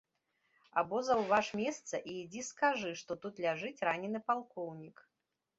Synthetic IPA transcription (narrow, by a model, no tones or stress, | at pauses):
abɔzɐwvaʂmʲɛst̪sɐʔiːd͡zʲiskaʐɨʂt̪ɔt̪ut̪lʲaʐɨt͡sʲɾanʲɛnɨpalˠkɔwnʲik